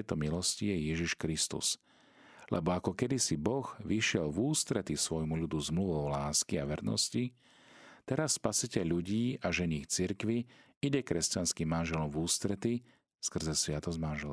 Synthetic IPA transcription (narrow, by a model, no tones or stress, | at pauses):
ɛjt̪ɔmilɔscijɛjɛʒiʃkɾist̪ṵs | lʔɛ̰bɔakɔkɛd̪isibɔɣʋiʃɪɛlvuːst̪ɾɛt̪isʋɔjmuʎud̪uzmluʋɔʊlaːskiaʋɛɾnɔ̰sci | t̪ɛɾasːpasicɛʎːuɟiːʔaʒɛɲiːxt͡siɾkʋi | iɟɛkɾɛscanskimːanʒɛlɔmvuːst̪ɾɛt̪i | skr̩zɛsʋɪat̪ɔzmanʒɛl